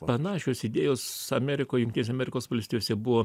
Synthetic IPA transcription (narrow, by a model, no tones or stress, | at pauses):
pɐnɑːʃʲoːsɪd̪ʲeːjoːsɐmʲɛɾʲɪkoːjjʊŋk̪ʲtʲinʲes̬ʲɛɐmʲɛɾʲɪkoːsʋɐlʲst̪ʲiːjoːsʲɛbʊʋoː